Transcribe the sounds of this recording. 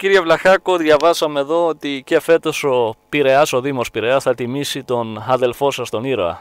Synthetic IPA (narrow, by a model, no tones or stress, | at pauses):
ciɾʝevlɐxɐko̞ðʝɐvɐsɐme̞ðo̞ot̪ice̞fe̞t̪o̞so̞piɾe̞ɐso̞ðimo̞spiɾe̞ɐsθɐt̪imisit̪o̞nɐðe̞lfo̞sɐst̪o̞niɾoɐ̰